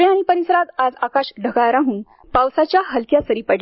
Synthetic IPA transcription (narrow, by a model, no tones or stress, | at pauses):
jañipəɾisəɾat̪ad͡zakaɕɖʱəɡajɾaɦũːn | pawsat͡ɕjaɦəlkjasəɾiːpəɽ